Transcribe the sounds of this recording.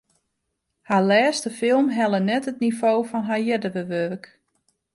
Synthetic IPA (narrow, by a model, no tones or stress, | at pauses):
halɛːstəfɪlˠmɦɛlˠənɛtətnifoːfɔnɦajɛdəʋəʋørk